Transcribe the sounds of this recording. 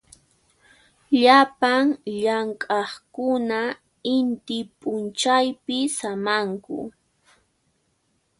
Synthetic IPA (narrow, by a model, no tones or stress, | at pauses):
ʎapaŋʎaŋkʼɑχkʊna | ɪnt̪ɪpʼʊnt͡ʃajpɪsamaŋkʊ̰